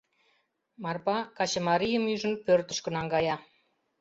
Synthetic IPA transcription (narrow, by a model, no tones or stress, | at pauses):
mɑrpɑkɑt͡ɕɤ̆mɑɾijə̆myʒə̆npørt̪ə̆ʃkə̆nɑŋɡɑjɑ